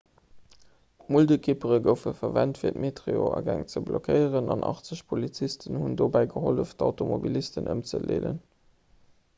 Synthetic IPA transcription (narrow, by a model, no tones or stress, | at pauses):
muldəkʰipəʁəɡəʊfəfɐvæntfiːɐtmetʁeoɑɡæŋt͡səblokʰəɪəʁənɑnʔɑ̰χt͡səɕpʰolit͡sistənhundoːbæɪɡəɦoləftʰɑʊtʰomobilistənʔəmt͡səlḛːlə̰n